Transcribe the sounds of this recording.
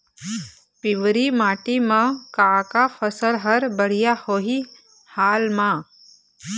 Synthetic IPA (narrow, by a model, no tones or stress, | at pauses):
pɪʋɾimaːʈimãkaːkafəsəlɦɐɾbəɽ̤ijahoːɦi | haːlmãː